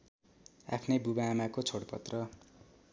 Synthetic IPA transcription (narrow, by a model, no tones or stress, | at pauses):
a̰pʰnʌjbubaːmakot͡sʰoɽpʌt̪rʌ